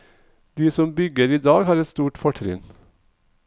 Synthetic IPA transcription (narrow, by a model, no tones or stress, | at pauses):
d̪̥iːsɔmbʏɡəɾiːd̪ɑːɡhɑːɾɛt̪st̪uːʈfɔʈʰɾɪ̰n